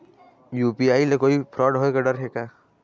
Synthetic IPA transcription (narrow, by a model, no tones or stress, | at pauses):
juːpiaːilekoːipʰɾɔːɖɦoekaɖəɾɦeka